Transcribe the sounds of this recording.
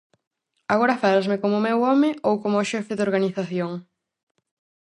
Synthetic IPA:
aɣoɾɐfalazmɪkomʊmewɔmɪowkomːʃɛfɪðoɾɣaniθaθjoŋ

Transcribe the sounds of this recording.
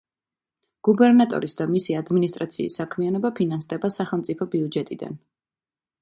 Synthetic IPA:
ɡ̥ubɛɾnat̪ʼɔ̰ɾisd̪amisiad̪minist̪ʼɾat̪sʰḭːsːakʰmianɔbapʰinansd̪ɛbasaχɛlˠmt̪sʼipʰɔbiud͡ʒɛt̪ʼid̪a̰n

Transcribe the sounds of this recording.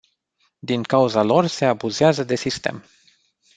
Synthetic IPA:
d̪iŋkauzalo̞rse̞abuzeazəd̪e̞sist̪e̞̰m

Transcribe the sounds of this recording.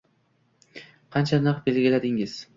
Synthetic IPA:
qʰɑnt͡ʃʰanɨqbe̞lɡʲɪlad̪ɪŋɪz̥

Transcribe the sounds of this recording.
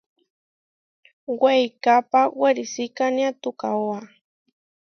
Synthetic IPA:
wajkapawaɾɪsikanjat̪ʊkawa

